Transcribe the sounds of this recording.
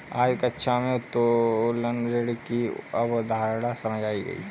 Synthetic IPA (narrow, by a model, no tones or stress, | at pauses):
aːd͡ʒkətːʃʰamẽt̪olənɾeɽkiɐbd̪ʱaːɾɽasɐməd͡ʒaːiɡɐ̰ḭɛ